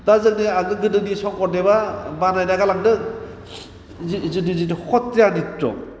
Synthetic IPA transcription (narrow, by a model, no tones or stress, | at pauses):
dazɯŋniaɡɯɡɯdɯnisɔŋkɔɾdebabanajnaɡalaŋdɯ | zzɯdizidɯhʰɔtːejanitɾɔ̰